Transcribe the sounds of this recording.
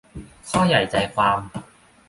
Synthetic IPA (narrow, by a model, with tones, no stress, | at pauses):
hɔː˥jːɐ˨˩jt͡sɐ˨jfaː˧ŋ